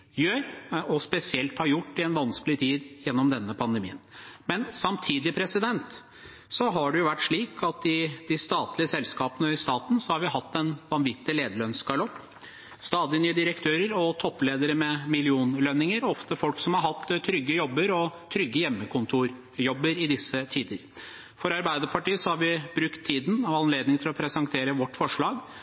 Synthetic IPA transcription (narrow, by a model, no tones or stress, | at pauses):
jøːɾɔspɛsɪɛlt̪hɑɾjʊʈːɪɛnʋɑnskəlɪt̪ʰiːd̪jɛnːɔmd̪ɛnːəpʰɑnd̪əmḭːənmɛnsɑmt̪ʰiːd̪ɪpʰɾɛsɪd̪ɛnt̪ | sɔɦɑɖʉjʊʋæʈːʂɭiːkʰɑt̪ɪd̪ɪst̪ɑːt̪lɪəsɛlskɑːpənəɪst̪ɑːt̪n̩sɔhɑɾʋɪɦɑt̪ːɛnʋɑnʋɪt̪ːɪleːd̪əɭœnskʰɑɭɔpː | st̪ɑːd̪ɪnyːəd̪ɪɾəkt̪ʰøːɾəɾɔt̪ʰɔpːleːd̪əɾəmɛmɪlɪuːnlœnɪŋəɾɔft̪əfɔlksɔmhɑɾɦɑt̪ːt̪ʰɾʏɡːəjɔbːəɾɔt̪ʰɾʏɡːəjɛmːəkʰʊnt̪ʰuːɾ | jɔbːəɾɪd̪ɪsːət̪ʰiːd̪əɾ | fɔɾɑɾbæɪd̪əɾpʰɑʈiːəsɔhɑɾʋɪbɾʉkt̪ʰːiːd̪n̩ɑʋɑnleːd̪nɪŋt̪ʰɪlɔpʰɾɛsɛŋt̪ʰeːɾəʋɔʈːfɔʂɭɑːɡ